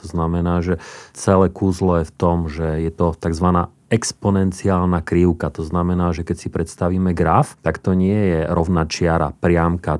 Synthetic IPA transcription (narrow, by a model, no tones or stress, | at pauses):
t̪ɔznamɛnaːʒɛt͡sɛlɛkuːzlɔjɛft̪ɔmʒɛjɛt̪ɔt̪aɡzʋanaː | ɛkspɔnɛnt͡siaːlnakɾiʊkat̪ɔznamɛnaːʒɛkɛcsipɾɛt̪st̪aʋiːmɛɡɾaft̪akt̪ɔɲɪɛjɛɾɔʊnaːt͡ʃɪaɾa̰pɾɪamka